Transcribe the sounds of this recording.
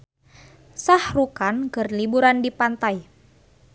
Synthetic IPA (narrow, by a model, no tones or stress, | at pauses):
sahrukankɨrlibuɾandipant̪aj